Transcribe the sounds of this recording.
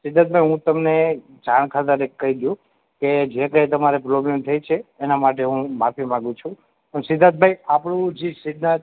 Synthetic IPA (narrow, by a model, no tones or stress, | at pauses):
sɪd̪at̪̚bʱajɦũt̪əmne | d͡ʒʱaɳ̃kʰat̪əɾekːəɦid̪jũ | ked͡ʒekəjt̪̬əmaɾepɾoblemt̪ʰəjt͡ʃʰeːnamaʈ̬eɦũmapimãɡũt͡ʃʰũ | əɳsɪd̪ʱat̪̚bʱajapɽũd͡ʒisɪd̪nat̪